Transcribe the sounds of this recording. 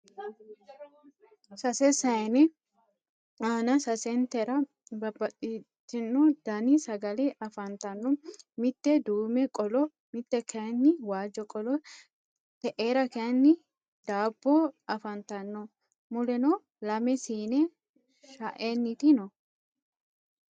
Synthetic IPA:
sɐsɛsɐjnɛ | aːnɐsɐsɛnt̪ɛɾɐ | bɐbɐt̪ʼit̪ːɪnːɔd̪̥ɐnɪsɐɡɐlɛʔɐfɐnt̪ɐnːɔmɪt̪ːɛd̪uːmɛkʼɔlɔ | mɪt̪ːɛkʰɛnːɪwaːd͡ʒɔkʼɔlɔ | t̪ɛʔeːɾɐkɛɐnːɪ | d̪̥aːbːɔɐfɐnt̪ɐnːɔ | mʊlɛnɔ | lɐmɛsiːnɛ | ʃaʔenːɪt̪ɪnɔ

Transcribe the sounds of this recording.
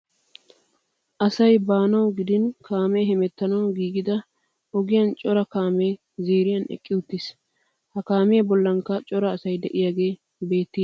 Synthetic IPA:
ʔɐsɐjbaːnɐwɡɪd̪ɪnkaːmeɦɛmɛt̪ːɐnɐwɡiːɡɪd̪ɐ | ɔɡɪjɐnt͡ʃʼɔɾɐkaːmeː | ziːɾɪjɐnɛ̰kʼːɪʊt̪ːis | hɐkaːmɪjɐbɔlːɐŋkɐt͡ʃʼɔɾɐːsɐjd̪ɛʔɪjaɡe̞ː | be̞ːt̪ːi

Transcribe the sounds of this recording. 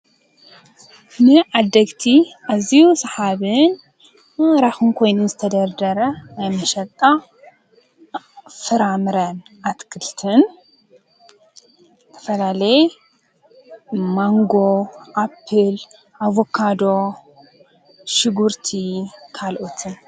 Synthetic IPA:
nɨʔad̪ːɐɡt̪ʰiʔaziusɐħaβɨn | ɾaxɨnkʰo̞jnunzɨt̪ʰɐd̪ɐɾd̪ɐɾɐajmɐʃɐt̪ʼa | fɨɾamɨɾɐn | ʔat̪kʰɨlt̪ʰɨn | zɨt̪ʰɐ̥fɐlalɐj | maŋɡo̞ʔapʰːɨl | ʔaβokʰːad̪o̞ | ʃɪɡuɾt̪ʰikʰalʔot̪ʰɨn

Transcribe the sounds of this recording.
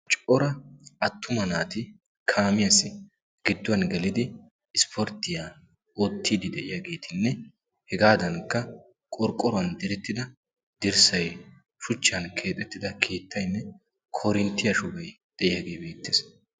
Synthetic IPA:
t͡ʃʼɔɾɐɐt̪ːʊmɐnaːt̪ɪ | kʰaːmɪjɐsɪ | ɡ̥ɪd̪ːʊwɐnɡɛlɪd̪ɪː | spʰɔɾt̪ːɪja | oːt̪ːiːd̪ɪd̪ɛʔɪjaɡe̞ːt̪ʰɪnːɛ | hɛɡaːd̪ɐnkːɐ | kʼɔɾkʼːɔɾʊɐnd̪ɪɾɛt̪ːɪd̪ɐ | d̪ɪɾsɐj | ʃʊt͡ʃːɐnkʰe̞ːt̪ʼɛt̪ːɪd̪ɐkʰe̞ːt̪ʰːɐjnːɛ | kʰɔɾɪnt̪ːɪjɐʃʊbɐj | d̪̥ɛʔɪjaɡeːbe̞ːt̪ːeːs

